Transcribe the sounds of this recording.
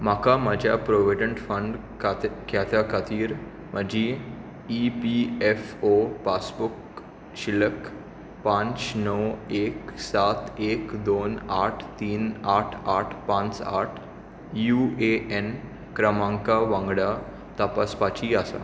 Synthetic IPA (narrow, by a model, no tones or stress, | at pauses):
makamad͡ʑʱjapɾoʋeɖəɳʈfəɳɖ | kakjat̪akat̪iːɾ | məd͡ʑi | ipiɛfopasbuk | ʃilək | pãɲt͡ʃnəweksat̪ekd̪oːnaʈʰt̪iːnaʈʰaʈʰpãt͡sa̰ʈʰ | jueʔen | kɾəmãŋkaʋãŋɡɽa | t̪apaspat͡ɕiasa̰